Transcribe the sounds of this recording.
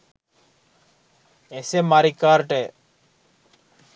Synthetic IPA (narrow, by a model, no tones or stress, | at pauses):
esemaɾikaɾʈe